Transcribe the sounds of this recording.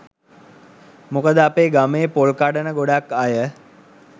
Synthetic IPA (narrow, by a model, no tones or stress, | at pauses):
mukəd̪əapeːɡameːpolkaɖənəɡoɖakːajə